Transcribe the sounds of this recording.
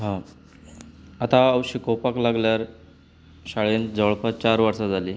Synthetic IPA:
ɦã | at̪aawɕikowpaklaɡljaɾ | ɕaɭend͡zəɭpat͡ɕaɾʋaɾsad͡zʱaliː

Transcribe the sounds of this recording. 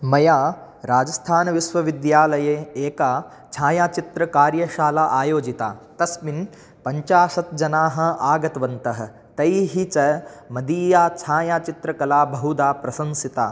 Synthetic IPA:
mɐjaː | ɾaːd͡ʒɐst̪ʰaːnɐʋiʃʋɐʋid̪jaːlɐjeːeːkaː | t͡ʃʰaːjaːt͡ʃit̪ɾɐkaːɾjɐʃaːlaːʔaːjoːd͡ʒit̪a̰ːt̪ɐsmin | pɐɲt͡ʃaːʃɐt̪̚d͡ʒɐnaːɦɐ̆aːɡɐt̪ɐʋɐnt̪ɐɦɐ̆ | t̪ɐjɦit͡ʃɐmɐd̪iːjaːt͡ʃʰaːjaːt͡ʃit̪ɾɐkɐlaːbɐɦud̪aːpɾɐsɐmsit̪a̰ː

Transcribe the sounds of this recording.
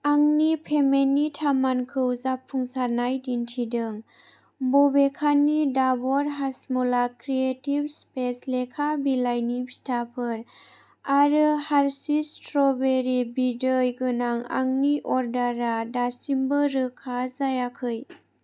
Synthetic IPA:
aŋnipʰemenːitʰamankʰɯwzapʰːuŋsaɾnajdintʰidɯŋ | bɔbekʰanːidabɔɾɦasmɔlakɾietibspeslekʰabilajnibistʰapʰɯɾ | aɾɯhaɾsistɾɔbeɾibidɯjɡɯnaŋa̰ŋniʔɔɾdaɾadasimbɯɾɯkʰazajakʰɯj

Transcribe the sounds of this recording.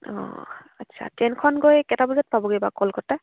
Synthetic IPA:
ɔ̰ | atːsʰa̰tɛnkʰɔnɡojkɛtabuzat̚pabɔɡejbakɔlkɔta

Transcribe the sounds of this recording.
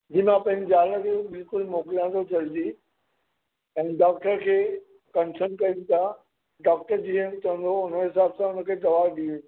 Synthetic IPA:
d͡ʑiːmãpɐ̃ɦɪ̃ɲd͡ʑɪd͡ʑaːləkʰebɪlkʊlmoːkɪlãt̪ʰot͡ɕʰɐld̪i | ɛ̃ːɖaːk̚ʈəɾkʰeː | kɐnsənkɐĩt̪ʰa | ɖaːk̚ʈəɾd͡ʑiːənɪ̆t̪ɐə̃nd̪ʱoʊnə̆ɦɪsaːbsãʊnə̆kʰeːd̪ɐʋaːɾɗiːũ

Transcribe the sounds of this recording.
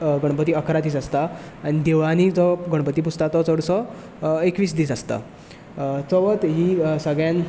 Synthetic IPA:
ɡəɽ̃pət̪iːəkɾat̪iːsəst̪aː | ɽ̃id̪eʋanid͡zɔɡəɽ̃pət̪iːp̬ust̪at̪ɔt͡səɽsɔ | ekʋiːsd̪iːsəst̪a̰ | t͡sɔʋət̪ɦiːsəɡɭjãn

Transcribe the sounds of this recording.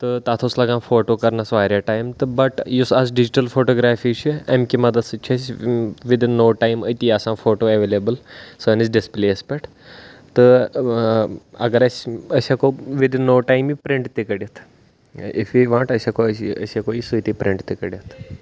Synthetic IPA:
t̪ɨt̪aːt̪ʰoslɐɡãːnfoːʈoːkɐɾnɐsʋaːɾʲjaʈaːjmt̪ɨbɐʈjusɐzɖɪd͡ʒiʈɐlfoːʈoːɡɾaːfit͡ʃʰiɐmkimɐd̪ɐsɨt͡ʃʰɐsʋɪd̪nːoːʈaːjmə̰t̪iasãːfoːʈoːeʋeːlebəlsɐːnizɖɪspleːspɛʈ | t̪ɨ | ɐ̰ɡɐɾɐsʲɐsakoʋid̪nːoːʈaːjmipɾɪɳʈt̪ikɐɽijɐt̪ʰ | ɪ̰fʋiːʋãːɳʈɐsakoɐ̰sakoːisɨit̪ipɾɪɳʈt̪ikɐɽʲjɐt̪ʰ

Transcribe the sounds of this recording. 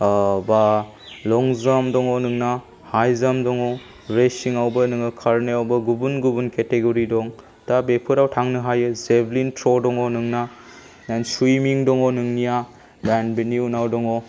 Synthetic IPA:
ba | lɔŋzamdɔŋɔnɯŋna | hajzamdɔŋɔ | ɾesiŋawbɐnɯŋɯkʰaɾneawbɐɡubunɡubunketeɡoɾidɔŋ | tabepʰɯɾawtʰaŋnɯɦajɯzeblintʰɾɔdɔŋɔnɯŋna | nanswumiŋdɔŋɔnɯŋnija | lanbeniunawdɔŋɔ

